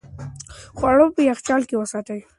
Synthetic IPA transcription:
xwɑɽopəjaxt͡ʃɑlkewəsɑt̪əj

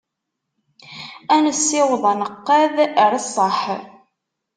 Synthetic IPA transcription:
ænəsːɪwðˤɑnəqːæðɾəsˤːəħ

